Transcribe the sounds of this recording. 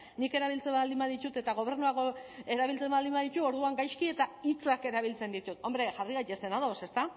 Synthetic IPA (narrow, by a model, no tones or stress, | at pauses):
nike̞ɾaβ̞ilt͡se̞mbald̪imbaðit̪ut̪e̞t̪aɣ̞o̞β̞e̞rnuaɣoe̞ɾaβilt͡se̞mbald̪imbaðit̪uo̞ɾðuaŋɡajskie̞t̪ait͡sake̞ɾaβilt͡se̞nd̪it̪ut̪o̞mbɾe̞ʝariɣajt̪ese̞naðo̞se̞st̪a